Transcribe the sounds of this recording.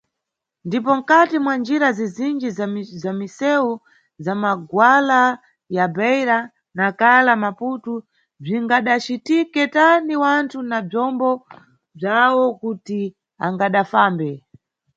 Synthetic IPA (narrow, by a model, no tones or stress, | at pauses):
ndipɔm̩katimwand͡ʒiɾazizind͡ʒizazamisɛu | zamaɡwala | jabɛjɾa | nakalamaputu | b͡ʐiŋɡaɗat͡ʃitikɛtaniwantʰunab͡ʐɔmbɔ | b͡ʐawɔkuti | aŋɡaɗafambɛ